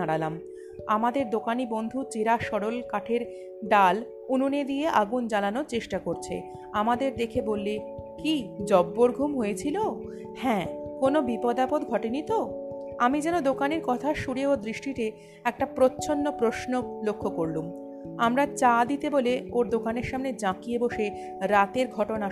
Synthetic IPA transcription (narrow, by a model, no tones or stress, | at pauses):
aɽalam | amad̪eɾd̪okanibond̪ʱut͡ɕeɾaʃɔɽolkaʈʰeɾ | ɖal | ununed̪ijeʔaɡund͡ʑananoɾt͡ɕeʃʈakoɾt͡ɕʰḛ | amad̪eɾd̪ekʰebolːekid͡ʑɔbːoɾɡʱumɦojet͡ɕʰilo | hɛ̃konobipɔd̪apod̪ɡʱɔʈenit̪o | amid͡ʑɛnod̪okaneɾkɔt̪ʰaʃuɽeod̪ɾiʃʈiʈe | ɛk̚ʈapɾotːɕʰonːopɾoʃnolokʰːokoɾlum | amɾat͡ɕad̪it̪eboleoɾd̪okaneɾʃamned͡ʑãkijeboʃe | ɾat̪eɾɡʱɔʈona